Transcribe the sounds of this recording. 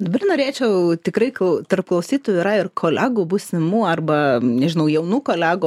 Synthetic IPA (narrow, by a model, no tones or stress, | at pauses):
d̪ɐbɐrnoːɾʲeːt͡ʃʲɛʊt̪ʲɪkɾɐɪkʊt̪ɐrp̚klˠɐʊsʲiːt̪oːjʊiːɾɐɪrkʰoːlʲæːɡuːbuːsʲɪmuːɐrbɐnʲɛʒʲɪnɐʊjɛʊnuːkoːlʲæːɡʊː